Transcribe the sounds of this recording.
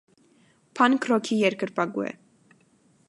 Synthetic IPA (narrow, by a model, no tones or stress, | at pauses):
pʰɑnkʰrɔkʰijɛɾkəɾpɑɡṵɛ̰